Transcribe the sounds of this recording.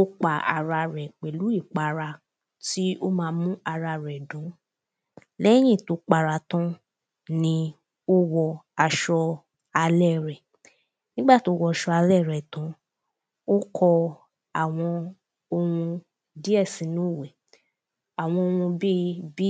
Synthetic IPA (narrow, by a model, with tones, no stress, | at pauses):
o˦k͡pa˨a̰˨˧ɾa˧ɾɛ˨k͡pe˨lu˨˦i˦˨k͡pa˨ɾa˧ | ti˦o˦mãː˧˦mũ˦a˧ɾa˧ɾɛ˨dũ˨˦ | lɛ˦j̃ĩ˦˨to˨˦k͡pa˧ɾa˧˨tã˦ | nĩ˧ | o˦wɔ˧a˧ʃɔ˧ | a˧lɛ˦˨ɾɛ˨ | nĩ˦ɡ͡ba˦˨ti˨˦o˦wɔ˧ʃɔ˧a˧lɛ˦˨ɾɛ˨tã˨˦ | o˦kʰɔ˧ | a˨w̃ɔ̃˧ | o˧wũ˧ | di˦ɛ˦˨sĩ˨˦nũ˦˨we˨ | a˨w̃ɔ̃˧o˧wũ˧bi˦bi˦